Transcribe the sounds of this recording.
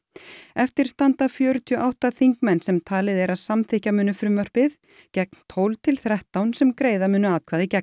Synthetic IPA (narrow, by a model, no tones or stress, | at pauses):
ɛft̪ɪɾ̥st̪ant̪afjœːɾʏt̪ʰiɔʔawht̪aθiŋkmɛnːsɛmt̪ʰaːlɪðɛɾasamθɪhcamʏːnːʏfɾʏmːœr̥pɪð | cɛk̚nt̪ʰowlt̪ʰɪlθɾɛht̪awnsɛmkɾeːjðamʏːnʏaːðkʰvaːðɪcɛk̚